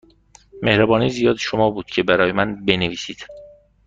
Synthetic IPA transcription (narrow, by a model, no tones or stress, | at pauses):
me̞hɾæbɒːniːzijɒːd̪ʃo̞mɒːbuːd̪̥cʰe̞bæɾɒːjemænbe̞neviːsiːd̪̥